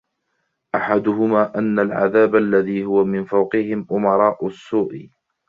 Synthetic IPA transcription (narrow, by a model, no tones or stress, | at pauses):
ʔaħad̪ʊhʊmaːʔanːalʕa̰ðaːbʔalːaðiːhʊwamɪnfawqɪhɪmʔʊmɑɾˤɑːʔʊsːuːʔ